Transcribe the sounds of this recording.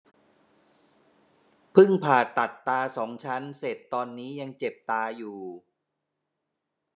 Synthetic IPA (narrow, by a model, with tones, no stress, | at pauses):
pʰɯ˥˩ŋpʰaː˨˩t̪a˨˩t̪ːaː˧sɔː˩˦ŋt͡ɕʰa˦˥nse˨˩t̪ːɔː˧nːiː˦˥ja˧ŋt͡ɕe˨˩p̚t̪aː˧juː˨˩